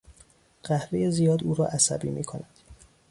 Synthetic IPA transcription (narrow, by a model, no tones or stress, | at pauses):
ɢ̥æhvejezijɒːd̪uːɾɒ̰ːʔæsæbḭːmiːkʰonæd̪̥